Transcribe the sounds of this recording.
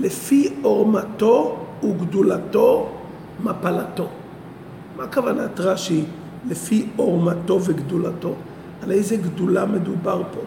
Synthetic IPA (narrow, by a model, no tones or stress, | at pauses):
lefioʁmatouɡdulato̞ | mapalato̞ | makavanatʁaʃi | lefioʁmato̞veɡdulato̞ | alejzeɡdulame̞dubaʁpo